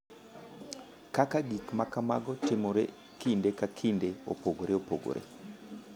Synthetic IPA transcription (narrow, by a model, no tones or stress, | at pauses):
kakaɡikmakamaɡɔtɪmoɾe | kindekakʰindeo̰poɡoɾeopo̰ɡo̰ɾʔḛ